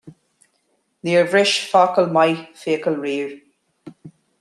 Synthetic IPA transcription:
ðiəvɹɪʃfaːkəlmajfiəkəlɹiːɹ

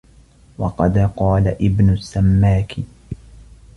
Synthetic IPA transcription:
wɑqɑd̪qɑːlaʔɪbnʊsːamːaːkʰɪ

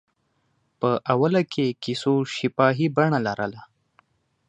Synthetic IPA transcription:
pəʔawalakʰekisoʃipaɦibaɳalaɾʔəla

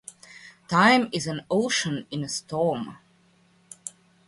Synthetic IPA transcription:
tʰãɪ̃mɪzæ̃noʊʃə̃nɪ̃nəstʰɔm

